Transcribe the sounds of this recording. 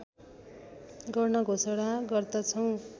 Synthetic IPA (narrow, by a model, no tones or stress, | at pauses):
ɡʌrnʌɡʱosʌɽaɡʌrd̪ʌt͡sʰʌw̃